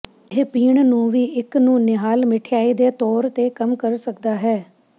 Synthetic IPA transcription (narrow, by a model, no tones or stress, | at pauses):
ɦepiːɳnũːʋiːʔɪknũːnɪɦaːlmɪʈʰɪjaːiːd̪eːt̪ɔːɾt̪eːkəmkəɾsəkd̪aːɦɛː